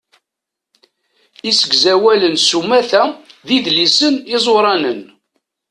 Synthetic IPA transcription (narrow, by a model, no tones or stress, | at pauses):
isəɡzæwælənsumæθæðiðlisənizˤwɾˤɑnən